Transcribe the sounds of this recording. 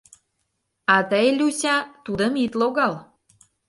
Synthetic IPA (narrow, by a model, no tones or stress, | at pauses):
ɑt̪əjlʲusʲɑt̪ud̪ə̆mit̪loɣɑl